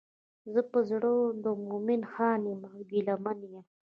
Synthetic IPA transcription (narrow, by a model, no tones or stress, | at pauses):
zəpəzɽod̪əmomɪnxɑːnemɡilamanjam